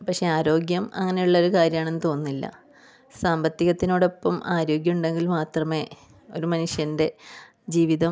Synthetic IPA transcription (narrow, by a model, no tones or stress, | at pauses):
pɐkʂe̞aːɾo̞ːɡjɐmɐ̰ŋːɐne̞juɭːɐo̞ɾukaːɾjɐmaːɳe̞nːɨt̪o̞ːnːilːɐ̰ | saːmbɐt̪ːiɣɐt̪ːino̞ːɽo̞pːɐmaːɾo̞ːɡjɐuɳɖe̞ŋɡilmaːt̪rɐme̞ː | o̞ɾumɐnuʂjɐnde̞ | d͡ʑiːʋiðɐ